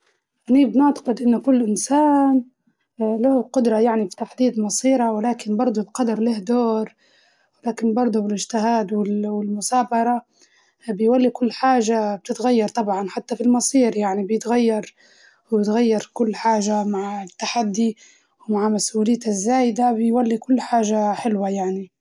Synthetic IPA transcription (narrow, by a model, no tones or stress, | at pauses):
ʔanibnʊʕt̪ɑ̥qɨd̪ʔɪnːʊkʊlːʔɪnsaːn | lahqʊd̪ɾˤɑjaʕnifi̥t̪aħd̪iːd̪mɑsˤiːɾawɪlaːkɪnbɑɾˤd̪ˤulqɑd̪ɑɾˤlɪhd̪oːɾ | wɪlaːkɪnbɑɾˤd̪ˤubɪlɪʒt̪ɪɦaːd̪wɪlwɪlmʊsaːbɑɾˤɑ | bɪjwalːikʊlːħaːʒab̚t̪ɪt̪ɣajːɑɾˤt̪ˤɑbʕɑnħat̪ːafilmɑsˤiːɾjaʕnibjɪt̪ɣajːɑɾˤ | wbɪt̪ɣajːɑɾkʊlːħaːʒamaʕt̪ːaħad̪ːi | wmaʕmasʔuːlɪjːazːaːjɪd̪abɪjwalːikʊlːħaːʒaħɪlwajaʕni